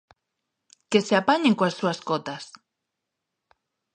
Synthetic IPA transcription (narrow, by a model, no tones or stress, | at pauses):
keseapaɲẽŋkõasːuaskot̪as